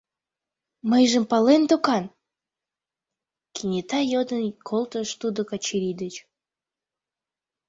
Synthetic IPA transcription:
məjʒəmpɑlend̪okɑn | kʰinʲet̪ɑjod̪ənkʰolˠt̪əʃt̪ud̪okɑt͡ɕiɾid̪ət͡ɕ

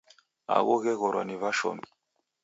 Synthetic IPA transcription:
a̰ɣɔɣɛɣɔɾwaniβaʃɔ̰mi

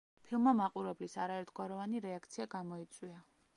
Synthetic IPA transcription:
pʰilˠmamaqʼuɾɛblisaɾaɛɾt̪ʰɡ̥waɾɔvaniɾɛakʰt̪sʰiaɡamɔit̪sʼwia

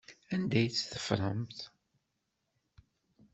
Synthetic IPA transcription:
ænd̪æjt͡sːθə̥fɾˤəmθ

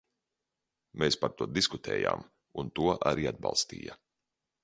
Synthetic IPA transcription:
meːspaɾt̪uɔd̪iskut̪ʰɛ̰ːja̰ːm | unt̪uɔʔaɾiːad̪̚bɑ̰lˠst̪ḭːja

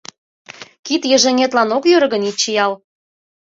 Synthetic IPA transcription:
kit̪jə̆ʒeŋʲet̪lɑnokjøɾɣə̆nit͡ɕːijɑl

